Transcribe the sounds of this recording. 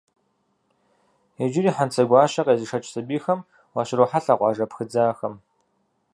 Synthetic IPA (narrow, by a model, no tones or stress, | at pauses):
ed͡ʒɪɾiːħant͡sʰɐɡʷɑːɕɐqʼeːzɨʂɐt͡ʃʼsɐbiːxɐm | wɑːɕɪɾoħaɬaːqʷɑːʐɐpxɨd͡zaːxɐm